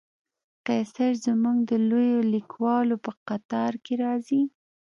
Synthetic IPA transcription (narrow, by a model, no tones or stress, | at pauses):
qesaɾzmuŋɡd̪əlojolikwɑlopəqat̪ɑɾkeɾɑzi